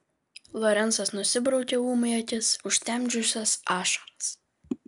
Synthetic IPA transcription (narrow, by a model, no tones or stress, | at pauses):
lˠɔɾʲɛntsɐsnʊsʲɪbɾɐʊkʲeuːmɐɪɐt̪ʲɪsʊʃʲt̪ʲɛmʲd͡ʒʲʊsʲɛsɑːʃɐɾɐs